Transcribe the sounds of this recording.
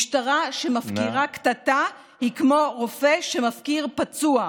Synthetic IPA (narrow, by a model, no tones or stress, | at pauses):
ʃtaʁaʃe̞mafkiʁakt̪at̪a | hikmo̞ʁofe̞ʃe̞mafkiʁpat͡sua